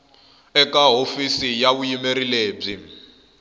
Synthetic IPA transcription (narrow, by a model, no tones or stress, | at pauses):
ɛkaɦofisijaβujimeɾileːb͡ʐi